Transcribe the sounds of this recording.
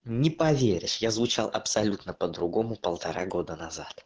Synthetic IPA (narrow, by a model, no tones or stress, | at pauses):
nʲɪpɐvʲeɾʲɪʂjazvʊt͡ɕalˠʔɐ̰psɐlʲut̪nəpəd̪ɾʊɡo̞mʊpəlˠt̪ɐɾaɡo̞d̪ənɐzat̪